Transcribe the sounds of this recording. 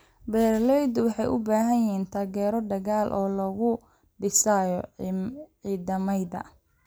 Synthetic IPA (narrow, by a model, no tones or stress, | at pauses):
bɛːrlɛjd̪wɑħɑjʔʊbaːɦɐjɪɦiːnt̪ʰaːɣɛːɾɔɖ̪ɐɣaːlʔɔːlɔɣʊ | ɖɪsajɔ̰ | ʕiːðɐmɐjðɐ̰